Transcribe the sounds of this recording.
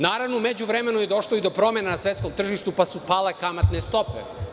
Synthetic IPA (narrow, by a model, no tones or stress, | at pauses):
naːɾaʋnomed͡ʑuʋɾeme̞nujed̪o̞ʃlˠoid̪opɾo̞me̞nanasʋet̪sko̞mt̪r̩ʒiʃt̪upasupalekamat̪nest̪o̞pḛ